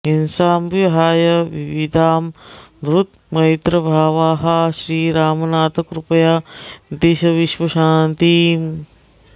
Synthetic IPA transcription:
ɦinsaːmiɦaːjɐʋiʋid̪ʱaːmʋɾut̪ | mɐjt̪ɾɐbʱaːʋaːɦɐʃɾiːɾaːmɐnaːt̪ɐkɾupɐjaːd̪eːʃɐʋiʃʋɐʃaːnt̪iːm

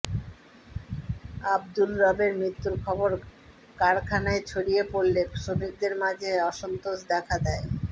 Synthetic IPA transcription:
abd̪ulɾɔbeɾmɾit̪ːuɾkʰɔboɾ | kaɾkʰanaet͡ɕʰoɽijepoɾlekʃomik̚d̪eɾmad͡ʑʱeɔʃont̪oʃd̪ɛkʰad̪ɛe

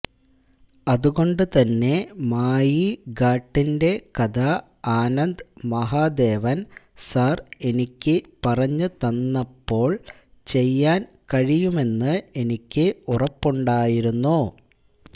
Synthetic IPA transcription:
ɐðuɣo̞ɳɖɨt̪ɐnːe̞maːjiɡaːʈːinde̞kɐd̪a | aːnɐnd̪mɐɦaːd̪e̞ːʋɐn | sɐre̞nikʲːɨpɐrɐɲːɨt̪ɐnːɐpːo̞ːɭ | t͡ɕe̞jːaːn | kɐɻijume̞nːɨe̞nikʲːɨurɐpːuɳɖaːjiɾunːu

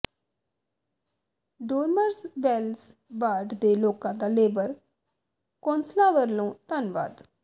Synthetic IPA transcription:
ɖoːɾməɾsbɛls | baːɖd̪eːloːkãːd̪aːleːbəɾ | kõːnslãːʋəɾlõːt̪ənba̰ːd̪

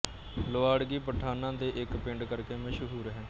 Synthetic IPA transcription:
ləʋaːɽɡiːpəʈʰːaːnãːd̪eːʔɪkpɪɳɖkəɾkeːməʃɦuːɾɦɛ̃ː

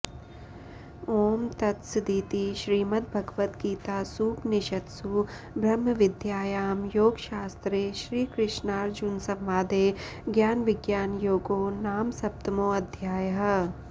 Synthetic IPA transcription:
oːmt̪ɐt̪sd̪iːt̪iʃɾiːmɐt̪̚bʱɐɡʋət̪ɡiːt̪aːsuːpnɪʃɐt̪su | bʱɾɐmːəʋɪd̪ʱjaːjaːmjoːɡʃaːst̪ɾeːʃɾiːkɾɪʃnaːɾd͡ʒʊnsɐ̃mʋaːd̪eː | ɡjaːnʋɪɡjaːnjoːɡoːnaːmsɐp̚t̪ɐmoːɐd̪ʱjaːjəɦɐ

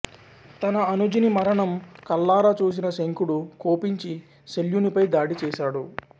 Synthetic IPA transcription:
t̪ɐnɐɐnud͡ʒinimɐɾɐɳɐmkɐlːaːɾaːt͡ʃuːs̬inɐseŋkuɽukoːpiɲt͡ʃi | ʃeljunipɐjd̪aːɽit͡ʃɛːʃaːɽu

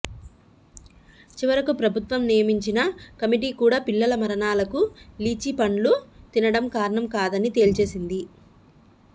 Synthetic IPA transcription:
t͡ʃiʋɐɾɐkupɾɐbʱut̪ʋɐmnijɐmiɲt͡ʃinɐkɐmiʈ̬iːkuːɽaːpilːɐlɐmɐɾɐɳaːlɐkuliːt͡ʃipɐɳlut̪inɐɽɐmkaːɾɐɳɐmkaːd̪ɐnit̪e̞ːlt͡ʃe̞ːsind̪i

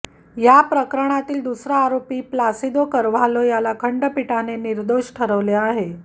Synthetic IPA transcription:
japɾəkɾəɽ̃at̪iːld̪usɾaːɾopiːplasid̪okəɾʋ̤alojalakʰəɳɖəpiʈʰaneniɾd̪oɕʈʰəɾəʋleaɦe

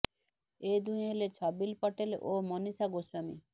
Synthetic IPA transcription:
ed̪ujɦelet͡ɕʰɔbilpɔʈelomonisaɡoswamḭ

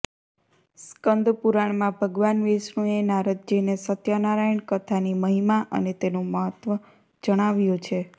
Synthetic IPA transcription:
skənd̪ʱpuɾaɳ̃mãbʱəɡʋanʋesnũenaɾəd̪̚d͡ʒenesət̪janaɾajəɳkət̪ʰaniməɦimaʔə̰net̪enõməɦət̪ʋə | d͡ʒəɽ̃aʋjõt͡ʃʰe

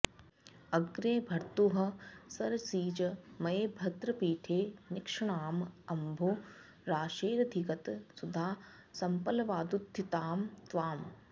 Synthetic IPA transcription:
ɐɡɾeːbʱɐɾt̪uɦɐ̆sɐɾsiːt͡ʃɐmɐjeːbʱɐt̪ɾɐpiːʈʰeːnɪkʂɐɳaːmɐmbʱo | ɾaːʃeːɾɐd̪ʱikɐt̪sud̪ʱaː | sɐmpɐlɐʋaːd̪ut̪ʰːit̪aːmt̪ʋaːm

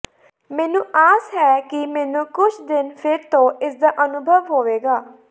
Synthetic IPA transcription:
mɛːnũːʔaːsɦɛːkɪmɛːnũːkʊt͡ʃʰd̪ɪnpʰɪɾt̪õːɪsd̪aːʔənʊbʱəʋɦoːʋeːɡaː

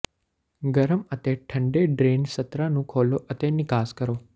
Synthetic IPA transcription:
ɡəɾəmət̪eʈʰəɳɖeɖɾensət̪ɾanũkʰoloʔət̪enɪkaːskəɾoː

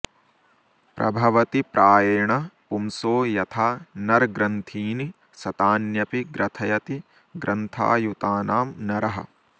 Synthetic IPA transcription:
pɾʔɐ̰bʱɐʋɐt̪ipɾaːjɐɳɐpumsoːjɐt̪ʰaːnɐɾɡɾɐnt̪ʰiːni | sɐt̪aːnjɐpiɡɾɐt̪ʰɐjɐt̪i | ɡɾʔɐnt̪ʰa̰ːjut̪aːnaːmnɐɾɐɦɐ̰

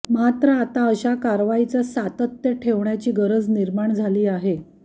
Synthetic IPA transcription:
mat̪ɾəat̪aəɕakaɾʋait͡səsat̪ət̪jəʈʰeʋɳjat͡ɕiːɡəɾəd͡zniɾmaɳd͡zʱaliːaɦe

